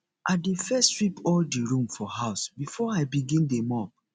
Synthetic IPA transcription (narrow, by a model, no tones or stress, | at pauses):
ʔadefɛstɹipʰɔldiɹũmfɔɦaʊsbifɔaɪbiɡĩndemɔp̚